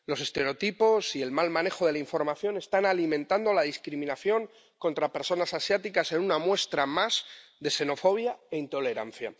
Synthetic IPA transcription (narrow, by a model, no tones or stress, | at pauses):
lo̞se̞st̪e̞ɾeo̞t̪ipo̞sie̞lmalmãne̞xo̞ð̞e̞laiɱfo̞ɾmaθjo̞ne̞st̪analimẽ̞nt̪and̪o̞laðiskɾimĩnaθjo̞ŋ | ko̞nt̪ɾape̞ɾso̞nasasjat̪ikase̞nunamwe̞st̪ɾamaz̥ðe̞se̞no̞fo̞β̞jae̞int̪o̞le̞ɾa̰n̟θja̰